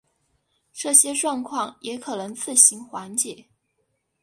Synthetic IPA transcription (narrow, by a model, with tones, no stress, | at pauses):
ʈ͡ʂɤ˥˩ɕjɛ˥ʈ͡ʂwɑ˥˧ŋkʰwɑ˥˩ŋjʔɛ˧˥kʰɤ˨˩nɤ˧˥ŋt͡sɹ̩˥˩ɕi˧˥nxwa˧˥nt͡ɕjɛ˨˩˦